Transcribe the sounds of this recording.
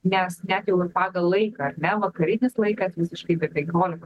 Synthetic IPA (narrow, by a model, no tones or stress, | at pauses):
nʲɛsnʲæt̪jɛʊɪrpɑːɡɐlˠlˠɐɪkɐɐɾnʲɛʋɐkɐɾʲɪnʲɪslˠɐɪkɐsʋʲɪsʲɪʃkɐɪpʲɪɾpʲɛŋʲkʲoːlʲɪkɐ